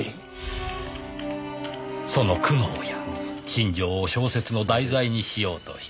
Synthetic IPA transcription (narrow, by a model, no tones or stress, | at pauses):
so̞no̞kɯ̟noːjakʲĩɲd͡ʑo̞ːɕo̞ːse̞t͡sɨno̞d̪aizaiɲ̟iɕijo̞ːt̪o̞̰ɕi̥